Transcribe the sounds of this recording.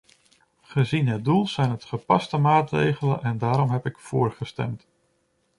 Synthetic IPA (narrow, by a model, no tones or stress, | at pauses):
χəzinɦət̚dulˠz̥ɛjnɦətχəpɑstəmaːtrḛjχələ̰nʔɛndaːɾɔmɦɛpɪkfʊːɹχəstɛ̰mt